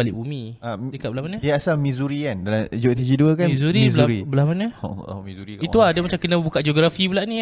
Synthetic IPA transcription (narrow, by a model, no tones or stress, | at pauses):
alḭʔbumĩadəkaʔbəlahmanəiəasalmizuɾikandalamd͡ʒot̪id͡ʒiduəkanmizuɾizluɾibəlamanə̰mizuɾiiulahdiəmat͡ʃamkənə̃bukaʔd͡ʒoɡɾafibulaʔnĩ